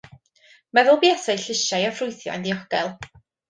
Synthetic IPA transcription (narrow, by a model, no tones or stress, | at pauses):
mɛðʊlˠbiɛθejɬɪʃajɔfrʊɨθjɔ̰a̰ndiɔɡ̥ɛlˠ